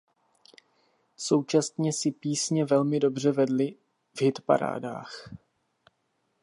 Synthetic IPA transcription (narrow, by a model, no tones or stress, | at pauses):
so̞wt͡ʃast̪ɲɛsɪpiːsɲɛvɛlmɪdo̞br̝ɛvɛdlɪ | vɦɪt̪pa̰ɾa̰ːda̰ːx